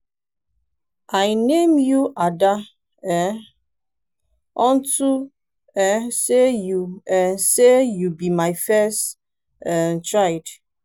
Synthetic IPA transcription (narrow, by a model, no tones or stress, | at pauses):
ʔajnemjuʔada | ɛ | ɔ̃n̩tu | ɛsejuɛsejubimaɪfɛst | tɹaɪd